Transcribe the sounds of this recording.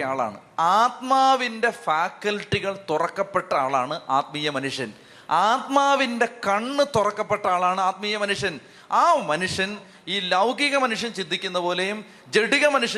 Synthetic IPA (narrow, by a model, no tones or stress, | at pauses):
aːɭa̰ːɳɨ̰aːt̪maːʋinde̞faːkːɐlʈːiɣɐɭt̪urɐkːɐpːe̞ʈːɐaːɭaːɳɨʔaːt̪̚miːjɐmɐnuʂjɐn | aːt̪maːʋinde̞kɐɳːɨt̪urɐkːɐpːe̞ʈːɐaːɭaːɳɨaːt̪̚miːjɐmɐnuʂjɐn | aːmɐnuʂjɐn | iːlɐwɡʱiɣɐmɐnuʂjɐnt͡ɕind̪ʱikʲːunːɐpo̞ːle̞jum | d͡ʑeɽiɣɐmɐnuʂɐ